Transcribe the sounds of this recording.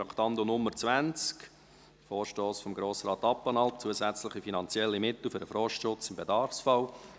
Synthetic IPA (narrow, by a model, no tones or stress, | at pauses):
ɾɑkʰt̪ɑndonʊmːəɾt͡svænt͡sk | foːɾʃtoːsfɔmɡɾoːsɾɑːt̪ɑpːɑnɑlt̚t͡suəzæt͡sləχifinɑnt͡sjɛlːimɪt̪l̩ˠfʏɾdəfɾɔːʃtʃʊt͡sɪmbedɑrfsfɑʊ